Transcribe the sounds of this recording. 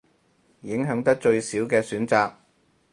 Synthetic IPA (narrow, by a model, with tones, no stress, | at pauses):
jɪ˨˥ŋɦœː˨˥ŋt̪̬ɐ˥k̚t͡ʃɵ˧ɥsiː˨˥wkɛː˧syː˨˥nt͡saː˨˧k̚